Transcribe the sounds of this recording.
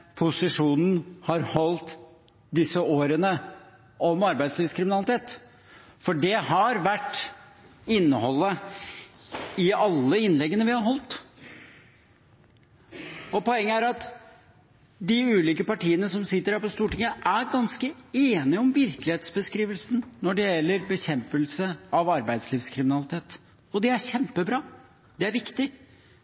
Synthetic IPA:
pʰʊsɪʂuːnn̩hɑɾhɔlt̪ | d̪ɪsəʔoːɾənə | ɔmɑɾbæɪd̪sliːʋskʰɾɪmɪnɑlɪt̪ʰeːt̪ | fɔɖɛhɑɾʋæʈː | ɪnːəhɔlːə | ɪɑlːəɪnlɛɡːənəʋɪhɑɾɦɔlt̪ | ɔpʰɔɛŋːəæɾɑt̪ | d̪ɪʉːliːkəpɑʈiːənəsɔmsɪt̪ːəɾɖæɾpɔst̪uːʈɪŋːəʔæɾɡɑnskəeːnɪɔmʋɪɾklɪheːt̪sbəskɾiːʋəlsnnɔɖɛjɛlːəɾbəçɛmpəlsəɑʋɑɾbæɪd̪sliːfskʰɾɪmɪnɑlɪt̪ʰeːt̪ | ɔd̪ɛæçɛmpəbɾɑː | d̪ɛæɾʋɪkt̪ɪ

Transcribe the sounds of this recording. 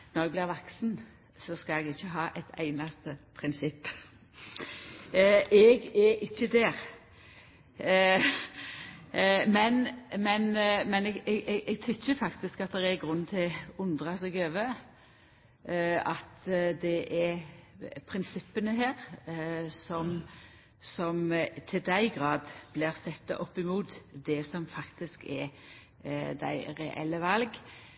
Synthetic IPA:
nɔʁɛɡ̚blɪʁʋɑksn | sɔskɑlɛɡɪçːəɦɑːʔɛɪt̪ʰæ̰ɪnɑst̪əpʰʁɪnsɪpː | ɛɡɛʔɪçːəd̪ɛːɾ | mɛnmɛnmɛnɛɡɛɡʔɛʔɛɡt̪ʰʏçːəfɑkt̪ɪskɑt̪̚d̪ɛʁɛɡʁʉnːt̪ʰɪʊnd̪ʁɑsɛɡøːʋə | ɑt̪d̪ɛʔɛ | pʰɾɪnsɪpːənəɦeːʁ | sɔm | sɔmt̪ʰɪld̪æɪɡʁɑːd̪b̥lɪɾsɛt̪ːɑ̰ʔɔpːɪmuːt̪d̪ɛsɔmfɑkt̪ɪskɛɾ | d̪æ̰ɪɾɛʔɛ̰lːəʋɑlɡ

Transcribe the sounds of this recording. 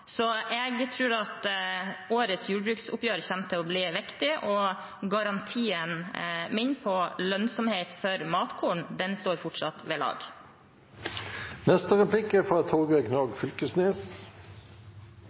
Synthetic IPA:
sɔɛɡt̪ʰɾʉːɾɑt̪ | oːɾət̪sjuːɖbɾʉːksʊ̰pjøːɾəçæmt̪ʰəɔbliːʋɪkt̪ɪʔɔ | ɡɑɾɑnt̪ʰiːənmɪnpʰɔlœnsɔmheːt̪fɔɾmɑːt̪kʰuːɳd̪ɛnst̪oːɾfɔʈʂɑt̪ʋɛlɑ̰ːɡ | nɛst̪əʁɛplɪkəfʁɑt̪ʰoːɡɛknɑːɡfʏlkəsneːs

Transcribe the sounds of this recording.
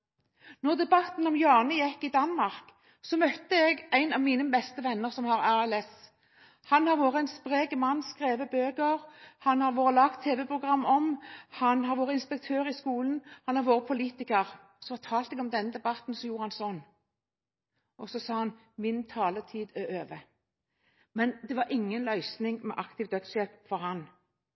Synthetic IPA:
nɔʁd̪ɛbɑt̪nɔmjɑːnəjɛkːɪd̪ɑnmɑʁk | sɔmœt̪ːəɛɡæɪnɑʋmiːnəbɛst̪əʋɛnːəʁsɔmhɑʁæʁɛlɛs | hɑnhɑʁʋoːʁəæɪnspʁeːɡəmɑnːskʁeːʋəbøːɡəʁhɑnhɑʁʋoːɾəlɑɡkt̪ʰːeːʋɛpʰʁʊɡʁɑmːɔmhɑnhɑɾʋoːʁəɪnspɛk̚t̪ʰøːʁɪskuːlənhɑnæʁʋoːʁəpʰʊliːt̪ɪkəʁ | sɔfɑt̪ʰɑːlt̪ɛɡɔmd̪ɛnːəd̪ɛbɑt̪n̩sɔjuːɾəhɑnsɔnː | ʔɔsɔsɑːhɑn | mɪnt̪ʰɑːlət̪ʰiːd̪ɛøːʋə | mɛnd̪ɛʋɑɾʔɪŋːənlœʏsnɪŋmɛ̰ʔɑkt̪ɪʋd̪œt̪sʃɛpfɔɾhɑn

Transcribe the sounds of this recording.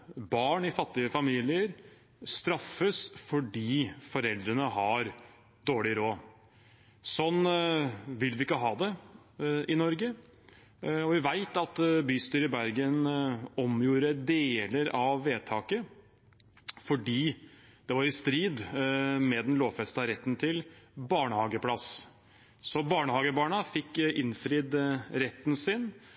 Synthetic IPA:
bɑːɳɪfɑt̪ːɪəfɑmiːlɪəɾ | st̪ɾɑfːəsfɔɖiːfɔɾɛld̪ɾənəhɑɾ | d̪oːɭɪɾoː | sɔn | ʋɪlʋɪɪkːəɦɑːd̪ɛ | ɪnɔɾɡə | ɔʋɪʋæɪt̪ɑt̪byːst̪yːɾɪbæɾɡənɔmjuːɾəd̪eːləɾɑʋːeːt̪ʰɑːkə | fɔɖiːd̪̥ɛʋɑɾɪst̪ɾiːd̪mɛd̪ɛnloːʋfɛst̪ɑɾɛt̪ːnt̪ʰɪlbɑːɳəhɑːɡəpʰlɑs | sɔbɑːɳəhɑːɡəbɑːɳəfɪkːɪnfɾɪːd̪ɾɛt̪ːnsɪn

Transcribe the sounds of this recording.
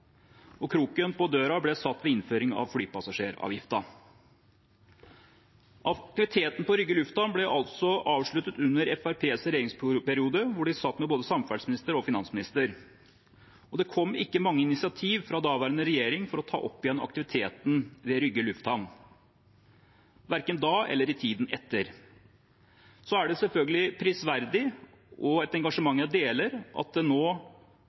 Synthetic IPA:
ɔkʰɾuːkʏənpɔd̪øːɾɑblɛsɑt̪ːʋɛɪnføːɾɪŋɑ̰ʋflyːpɑsɑʂeːɾɑ̰ːʋjɪft̪ɑ | ʔɑt̪ɪʋɪt̪ʰeːt̪n̩pɔɾʏɡːəlʉft̪hɑnblɛʔɑlt̪sɔʔɑːʋʂɭʉt̪ət̪ʉnːəɾɛfæɾpʰeːsɾɛjeːɾɪŋspɛɾɪuːd̪əʋʊɖɪsɑt̪ːmɛboːd̪əsɑmfæɖsmɪnɪst̪əɾɔfɪnɑnsmɪnɪst̪əɾ | ɔd̪ɛkʰɔmːɪkːəmɑŋːəɪnɪsɪɑt̪ʰiːʋfɾɑd̪ɑːʋæːɾənəɾɛjeːɾɪŋfɔɾɔt̪ʰɑ̰ːʔɔpːɪjɛnɑ̰kt̪ɪʋɪt̪ʰeːt̪n̩ʋɛɾʏɡːəlʉft̪hɑn | ʋæɾkənd̪ɑːɛ̰lːəɾɪt̪ʰiːd̪nɛt̪ːəɾ | sɔæɖɛsɛlfœlɡəlɪpʰɾɪsʋæɾd̪ɪ | ʔɔɛt̪ɛŋɡɑʂəmɑŋːjæd̪eːləɾʔɑ̰t̪̚d̪ɛnoː

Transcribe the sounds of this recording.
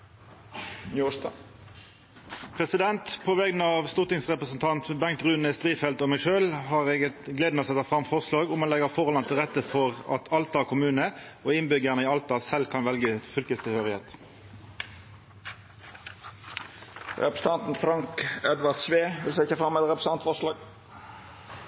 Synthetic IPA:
nuː | pʰʁɛsɪd̪ɛnt̪pʰoʋɛɡnəɑʋst̪ʊːt̪ɪŋsʁɛpʁəsnt̪ʰɑnt̪bɛŋt̪ʁʉːnəst̪ʁiːfɛlt̪ɔːmæɪʃøːlhɑːʁɛːɡət̪ɡleːd̪noːsɛt̪ːɑfʁɑmfɔʁslɑːɡʊmɑnlɛɡəfɔʁlɑnt̪ʰɪlʁɛt̪ːəfɔʁɑ̰t̪ʰɑlt̪ɑkʰʊmʉːnəʔoːɪnbʏɡəʁnəiːɑlt̪ɑsɛlkʰɑnʋɛlɡəfʏlkəst̪ʰɪlhøːʁɪheːt̪ | ɾɛpɾəsn̩ɑnt̪n̩fɾɑŋkɛd̪ʋɑʁt̪ʃʋeːʋɪlsɛɪçəfɑmɛt̪ɾɛpɾəsɑnt̪fɔʁʂlɑːɡ

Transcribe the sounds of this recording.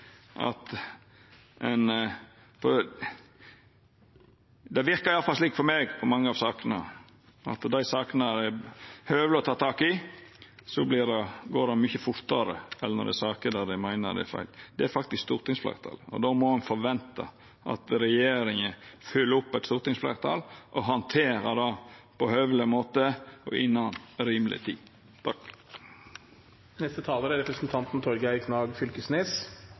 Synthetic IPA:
ʔɑ̰t̪ | ʔɛn | fɔ | d̪ɛʋɪɾkɑɾɪɑlfɑlsliːkfɔɾmeːɡpʰɔmɑŋːəɑʋsɑːkənɑ | ɑ̰t̪d̪æɪsɑːkənədɛhøːʋəɾəɔt̪ʰɑːt̪ʰɑːkɪ | sɔblɪdɛɡoːɾɑnmʏçəfʊɾt̪ɑɾə̰ɛlːənɔ̰d̪ɛ̰sɑːkəd̪æd̪æmæɪnə̰d̪ɛ̰æ̰fæ̰ɪld̪ɛæɾfɑk̚t̪ɪskst̪uːɾt̪ɪŋsflæ̰ːɾt̪ʰɑ̰ːlɔ̰d̪oːmɔhʉnfɔɾʋɛnt̪ɑ | ʔɑ̰t̪ɾɛjeːɾɪŋəfʉlːəʊpːæɪt̪st̪uːɾt̪ɪŋsflæ̰ɾt̪ʰɑ̰lʔɔɦɑnt̪ʰeːɾəd̪ɑpɔhœʋlɪmoːt̪əɔ̰ʔɪnːɑnɾiːmlɪ̰t̪ʰḭː | b | nɛst̪ət̪ʰɑːləɾæɾɛpɾəsnt̪ʰɑnt̪n̩t̪ʰɔɾɡæɪkʰnɑːɡfʏlkəsneːs

